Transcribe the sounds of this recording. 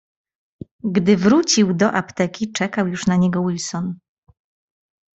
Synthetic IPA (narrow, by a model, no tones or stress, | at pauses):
ɡd̪ɘvɾut͡ɕiwd̪ɔʔapt̪ɛkʲit͡ʂɛkawjuʂnaɲɛɡɔwilsɔn